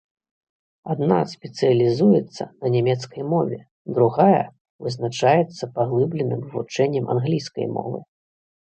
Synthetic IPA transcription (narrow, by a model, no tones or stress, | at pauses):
ad̪nasʲpʲɛt̪sɨjɐlʲizujɛt̪sːɐ̰nɐnʲamʲɛt̪skɐjmɔvʲɛ | d̪ɾuɣajɐ̰ | vɨznat͡ʂajɛt̪sːɐpaɣlˠɨblʲɛnɨmvut͡ʂɛnʲːɛmʔa̰nɣlʲijskɐ̰jmɔ̰vɨ̰